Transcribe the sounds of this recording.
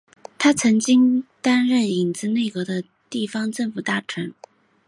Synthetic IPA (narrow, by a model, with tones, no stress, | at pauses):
t̪ʰa˥t͡sʰɤ˧˥ŋt͡ɕi˥ŋt̪a˥nɻə˥˩ni˨˩nt͡sɹ̩˥˧ne˥˩ɪkɤ˧˥d̪ə˧ | t̪i˥˩fɑ˥ŋʈ͡ʂə˥˩ŋfu˨˩t̪a˥˩ʈ͡ʂʰə˧˥n